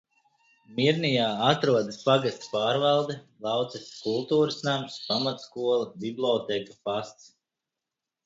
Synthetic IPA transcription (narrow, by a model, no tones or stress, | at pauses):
miɾnijaːat̪ɾuɔd̪əspaɡast̪spaːɾvɑlˠd̪ɛ | lˠɑwt̪sɛskulˠt̪uːɾɨsnamspamat̪skuɔlˠabiblʲˠɔːt̪ɛːkapast̪s